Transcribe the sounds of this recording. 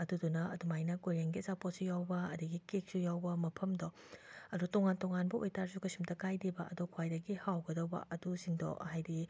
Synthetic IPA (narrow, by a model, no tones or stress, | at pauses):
ɐdudunɐɐdumajnɐkojɾeŋɡizapot̚sujawbɐɐduɡikek̚sujawbɐmɐpʰɐmdɔ | ɐdutoŋantoŋanbɐojtaɾsukɐsimtɐkajdibɐʔɐdokʰwajdɐɡihawɡɐdɐwbɐ̰ʔɐdusiŋdɔ̰hajdi